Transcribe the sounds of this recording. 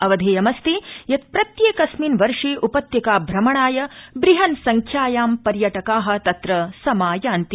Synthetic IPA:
ɐʋɐd̪ʱeːjɐmɐst̪ijɐt̪̚pɾɐt̪jeːkɐsminʋɐɾʂiːʔupɐt̪jɐkaːbʱɾɐmɐɳaːjɐbɾiɦɐnsɐŋkʰjaːjaːmpɐɾjɐʈɐkaːɦɐ̆t̪ɐt̪ɾɐsɐmaːjaːnt̪i

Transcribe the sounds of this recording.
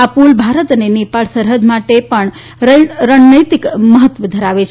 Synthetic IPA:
apulbʱaɾət̪ənenepalsəɾɦəd͡ʒ̪maʈepəɳ | ɾəɳnəjt̪ikməɦət̪ʋəd̪ʱəɾaʋet͡ʃʰ

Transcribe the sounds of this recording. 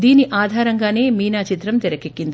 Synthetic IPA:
d̪iːniʔaːd̪ʱaːɾɐŋɡaːne̞ːmiːnaːt͡ʃit̪ɾɐmt̪ɛɾɐkekːind̪

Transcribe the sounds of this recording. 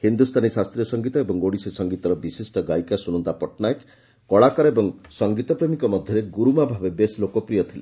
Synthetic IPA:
hind̪ust̪ʰanisast̪ɾijɔsɔŋɡit̪ɔebɔŋɡoɽisisɔŋɡit̪ɔɾɔbisesʈɔɡajkasuñɔnt̪apɔʈnajek | kɔɭakɔɾɔebɔŋsɔŋɡit̪ɔpɾemikɔmɔd̪ʱjɔɾeɡuɾumabʱabebeslokɔpɾijɔt̪ʰile

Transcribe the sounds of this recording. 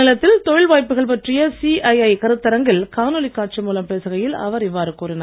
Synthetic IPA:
ɪlɐt̪ːɪlt̪ɔɻɪlʋaːjpːɯɣɐɭpɐʈrɪjɐsiːʔɐɪɐɪkɐɾɯt̪ːɐɾɐŋɡɪlkaːnɯlɪkːaːʈ̚t͡ʃimuːlɐmpeːsɯɣɐjɪlɐ̰ʋɐɾɪʋːaːɾɯkuːɾɪnɐ

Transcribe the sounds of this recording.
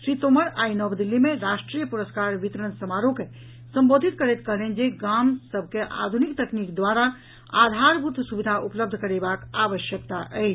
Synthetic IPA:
ʃɾit̪oməɾaːinɔːbd̪ilːimẽɾaʃʈɾijəpuɾəskaːɾʋit̪ɾənsəmaɾõke | sə̃mboːd̪ʱit̪kəɾɛt̪kəɦlend͡ʒeɡamsəbʱkeʔa̰ːd̪ʱunikt̪əknikd̪waɾa | a̰ːd̪ʱaɾbʱut̪ʰsubid̪ʱaʔupləb̚d̪ʱəkəɾebakaʋəʃjək̚t̪aʔɛ

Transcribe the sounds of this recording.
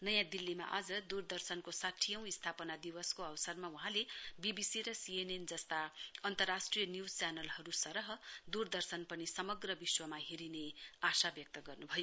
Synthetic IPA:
nʌjãd̪ilːima̰ʔad͡zʌd̪urd̪ʌrsʌnkosaʈʰijʌ̃w̃ist̪ʰapʌnad̪iwʌskoʌwsʌrmawuɦãlebibisiɾʌsienend͡zʌst̪aʌnt̪ʌrːasʈrijʌnjud͡zt͡sjanʌlɦʌɾusʌɾʌɦʌd̪urd̪ʌrsʌnpʌnisʌmʌɡrʌbiswʌmaɦeɾineasabjʌk̚t̪ʌɡʌrnubʱʌjo

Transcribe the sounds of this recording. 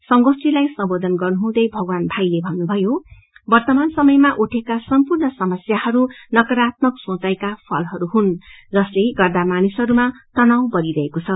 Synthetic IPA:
sʌŋɡosilajsʌmbod̪ʱʌnɡʌrnuɦũd̪ʌjbʱʌɡwanbʱajlebʱʌnːubʱʌjo | bʌrt̪ʌmansʌmʌjmaʔuʈʰekasʌmpurnʌsʌmʌsjahʌɾunʌkʌɾat̪̚mʌksõt͡sajkapʰʌlɦʌɾuɦund͡zʌst̪ʌjɡʌrd̪amanisʌɾumat̪ʌnaw̃bʌɾiɾʌɦekot͡sʰʌ

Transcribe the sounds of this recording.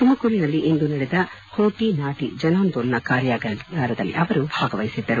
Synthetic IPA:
t̪umɐkuɾinɐlːiʔend̪unɐɽɛd̪ɐ | hoːʈinaːʈḭd͡ʒɐnaːnd̪onːɐkaːɾjaɡaːɾɐd̪ɐlːḭʔɐʋɐɾubʱaːɡɐʋɐjsid̪ːɐɾu

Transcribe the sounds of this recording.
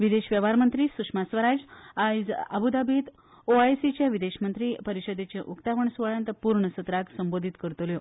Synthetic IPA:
ʋid̪eɕʋjəʋaɾmənt̪ɾiːsukʂmasʋəɾad͡zad͡zə̰bud̪abʱit̪ | oaesit͡ɕjaʋid̪eɕmənt̪ɾiːpəɾiɕəd̪et͡ɕeʔukt̪aʋəɳsʋəɭjãnt̪əpuɾɳəsət̪ɾaksəmbod̪ʱit̪kəɾt̪ljo

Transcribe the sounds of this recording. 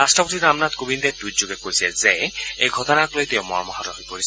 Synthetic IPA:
ɾasʈɔpot̪iɾamnat̪kobind̪ed̪ujd͡ʑoɡekojsɛzɛejɡʱɔt̪ɔnaklojt̪ɛwmɔɹmɔɦatɔɦojpoɾisʰ

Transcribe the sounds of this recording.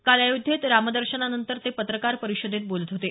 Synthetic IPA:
kaljajud̪ʱːet̪ɾamd̪əɾɕənanənt̪əɾt̪epət̪ɾəkaɾpəɾiɕəd̪ʱet̪̚bolət̪ɦot̪e

